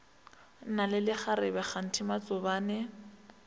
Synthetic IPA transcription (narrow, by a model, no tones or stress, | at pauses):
nalɪlɪχaɾɪbɛχan̩tʰɪmat͡sʼʊbaːnɛ